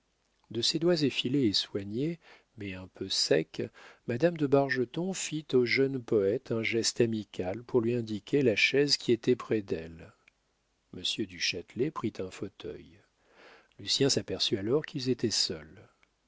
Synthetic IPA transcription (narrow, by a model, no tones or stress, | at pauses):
d̪əsed̪wazefileːswaɲe | mɛɛ̃pʰøsɛkmad̪amd̪əbaʁʒət̪ɔ̃fit̪oʒœnpɔɛt̪ʰɛ̃ʒɛst̪amikʲalpuʁlɥiɛ̃d̪ikʲelaʃɛzkʲʰiet̪ɛpχɛd̪ɛl | məsjød̪yʃat̪lɛpχit̪ʰɛ̃fot̪ʰœ̰j | lysjɛ̃sapɛʁsyalɔʁkilzet̪ɛsœl